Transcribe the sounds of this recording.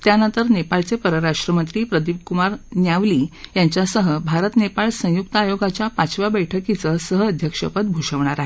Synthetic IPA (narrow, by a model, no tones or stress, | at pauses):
t̪janənt̪əɾnepaɭt͡sepəɾəɾaʂʈɾəmənt̪ɾiːpɾəd̪iʋkumaɾnjaʋliːjaɲt͡ɕjasəɦəbʱaɾət̪nepaɭsə̃juk̚t̪əajoɡat͡ɕjapat͡sʋabəjʈʰəkit͡səsəɦəːd̪ʱjəkʂə̰pət̪̚bʱoʂəʋɳ̃aɾaɦe